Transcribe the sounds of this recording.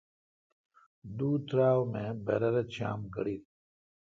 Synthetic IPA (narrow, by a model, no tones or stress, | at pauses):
d̪uːt̪ɾaːwmẽbḛɾɐɾɐt̪ɕa̰ːmɡɐ̰ɽiːt̪